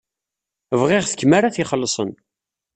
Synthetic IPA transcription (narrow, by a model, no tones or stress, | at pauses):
əvʁɪʁθə̥kːmaɾaθiχəlːsˤən